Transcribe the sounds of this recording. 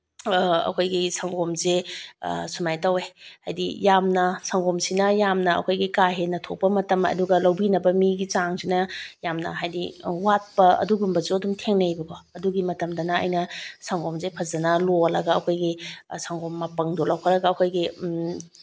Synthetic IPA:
ɐ̰kʰojɡisaŋɡomzḛ | sumajtɐwehajdḭjamnɐsaŋɡomsinɐjamnɐɐ̰kʰojɡikaɦenɐtʰok̚pɐmɐtɐmɐ̰duɡɐlɐwbinɐbɐmiɡit͡ʃaŋsinɐjamnɐ̰ɦajdiwat̚pɐɐ̰duɡumbɐzuɐdumtʰeŋnɐjbɐkʰɔɐduɡimɐtɐmdɐnɐɐ̰jnɐsaŋɡomzepʰɐzɐnɐloɐlɐɡɐɐkʰojɡisaŋɡomːɐpɐŋdolɐwkʰɐɾɐɡɐːkʰojɡi

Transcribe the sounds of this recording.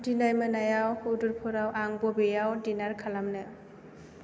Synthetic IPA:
dinajmɯnajawuduɾpʰɔɾawʔaŋbɔbejawdinaɾkʰalamnɯ

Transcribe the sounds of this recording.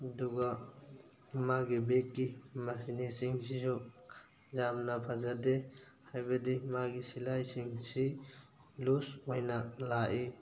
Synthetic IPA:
duɡa | maɡibekːimasinisiŋsizɔ | zamnapʰazade | hajbadimaɡisilajsiŋsi | lushojnalaʔi

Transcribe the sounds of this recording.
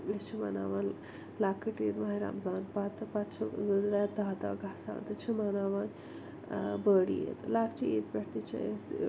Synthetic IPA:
est͡ʃʰima̰na̰ːʋaːn | laːkəʈet̪mɐɦiɾa̰mzaːnpat̪ɨpat̪t͡ʃʰizɐd̪ɾat̪̚d̪aːd̪a̰ːɡʱaːsa̰ːnt̪ɨt͡ʃʰimanaːʋaːn | bəːɽḭjḛt̪laːkt͡ʃʰiet̪bʲeʈt̪it͡ʃʰɐ̰es

